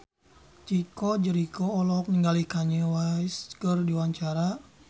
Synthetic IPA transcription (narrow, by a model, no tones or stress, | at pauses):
t͡ʃikɔd͡ʒəɾikɔːlɔk̚niŋɡalikaɲəwajskərdiwaɲt͡ʃaɾa